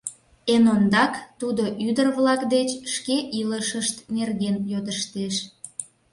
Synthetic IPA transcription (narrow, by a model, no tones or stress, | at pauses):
enond̪ɑkt̪ud̪o̽ʔyd̪ərβlɑkd̪et͡ɕʃkeʔiləʃəʃt̪nerɣenjod̪əʃt̪eʃ